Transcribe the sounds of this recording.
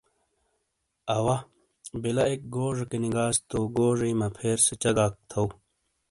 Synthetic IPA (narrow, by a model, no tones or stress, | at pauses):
ɐwɐ | bilɐek̚ɡoːʐɐkeniɡaːst̪oɡoːʐɐjmɐpʰeːɾset͡ɕɐɡaːk̚t̪ʰɐw